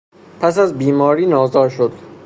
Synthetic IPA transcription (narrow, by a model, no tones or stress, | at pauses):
pʰæs̬æzbiːmɒːɾiːnɒːzɒːɾʃod̪